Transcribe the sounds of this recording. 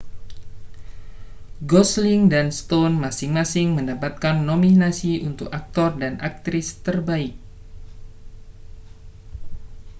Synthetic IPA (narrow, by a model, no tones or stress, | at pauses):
ɡɔslɪŋdanst̪onmasɪŋmasɪŋməndapat̪̚kanːominasiunt̪ʊkak̚t̪ɔrdanʔak̚t̪ɾɪst̪ərbaɪk̚